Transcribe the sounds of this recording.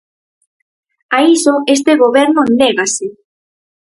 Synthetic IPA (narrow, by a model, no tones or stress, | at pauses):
aisoes̬t̪eɣoβeɾnoend̪eɣase